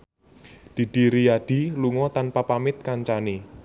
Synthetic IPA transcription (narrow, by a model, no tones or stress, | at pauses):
d̪̥i̤d̪̥i̤ɾijaɖ̥i̤luŋɔt̪anpapamɪt̪̚kaɲt͡ʃane